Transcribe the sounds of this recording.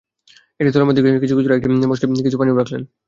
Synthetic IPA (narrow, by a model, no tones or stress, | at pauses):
eʈit̪oɾemod̪ʱikkit͡ɕʰukit͡ɕʰuɾaekʈimoʃekit͡ɕʰupanioɾakʰlen